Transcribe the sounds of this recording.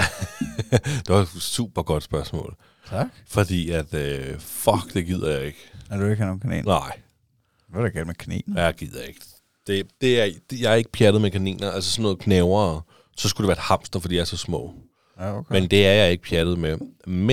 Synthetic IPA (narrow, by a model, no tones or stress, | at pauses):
d̥e̝ʋɑd̥sṵːb̥ɐɡ̥ɒ̽d̥sb̥ɶɐsmɔ̰̽ːlʰ | ɑɡ̥fɒ̽d̥ḭːæd̥øfɒɡ̥d̥e̝ɡ̥ið̞̰ˠɐjɑ̈ɪe̝ɡ̥æɐd̥ueɡ̥hænoːn̩kʰænḛːnnɑ̈ɪ̰ | ʋæɾeɡælmekʰænḛːnjɑ̈ɪɡ̥ið̰ˠɐe̝ɡ̥ | d̥e̝d̥e̝æɐ̥jɑ̈ɪæɐe̝ɡ̥əpʰjæd̥ð̩ˠmekʰænḭːnɐælsəsɔnːɔ̽ːð̩ˠkʰnɛʊɐː | sɒ̽sɡ̥udeʋæːɐed̥hɑ̈m̰sd̥ɐfɒ̽d̥ḭjaæɐsɒ̽smɔ̰̽ː | okʰmend̥e̝æɐjɑ̈ɪe̝ɡ̥əpʰjæd̥ð̩ˠmeme